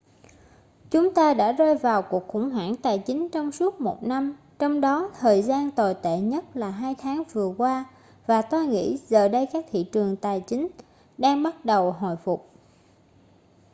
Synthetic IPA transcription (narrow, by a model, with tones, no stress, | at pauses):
t͡ɕʊ˨˦ŋ͡mt̪aː˧ɗa̰ː˧˥zɔ˧jvaː˨˩wku˨˩ək̚xʊ̰˧˩ŋ͡mɦwa̰ː˧˩ŋt̪aː˨˩jt͡ɕï˨˦ŋ̟t͡ɕɔ˧wŋ͡msu˦˥ət̚mo˨˩t̚na˧m | t͡ɕɔ˧wŋ͡mɗɔ˨˦t̪ʰəː˨˩jzaː˧nt̪o˨˩jt̪ḛ˧˨ɲə˦˥t̚laː˨˩ɦaː˧jt̪ʰaː˨˦ŋvɨ˨˩əkwaː˧ | vaː˨˩t̪o˧jŋḭ˧˥zəː˨˩ɗə˧jkaː˦˥k̚t̪ʰḭ˧˨t͡ɕɨ˨˩əŋt̪aː˨˩jt͡ɕï˨˦ŋ̟ | ɗaː˧ŋɓa˦˥t̚ɗə˨˩wɦo̰˧˨jfʊ˨˩k͡p̚